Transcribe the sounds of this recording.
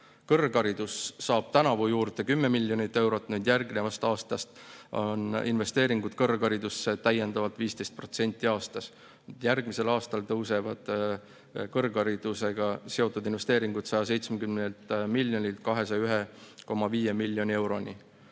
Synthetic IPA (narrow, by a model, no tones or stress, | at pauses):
kɤrɡɑɾid̪̥usːɑːb̥t̪ænɑvujuːrd̪e̞kymːe̞milʲːjo̞nit̪ːe̞wɾo̞t̪ːˑnyd̪jærɡne̞vɑst̪ɑːst̪ɑst̪o̰nḭnve̞st̪e̞ːɾiŋɡ̥ud̪̥kɤrkɑɾid̪usːet̪æje̞nd̪̥ɑvɑlt̪ˑviːst̪e̞jst̪̚pro̞t̪se̞nʲt̪ʲːˑiɑːst̪ɑs | nd̪̥jærɡ̥mise̞lɑːst̪ɑlt̪ɤwse̞vɑd̪̥ | kɤrɡɑɾid̪̥use̞ɡ̥ɑse̞o̞t̪ːˑud̪inve̞st̪e̞ːɾiŋɡ̥ut̪sɑjɑs̬e̞jt̪smekymnelt̪milʲjo̞nʲilt̪̚kɑɦe̞s̬ɑjɑyɦeko̞mːɑviːje̞milːjo̞nʲiewɾo̞ni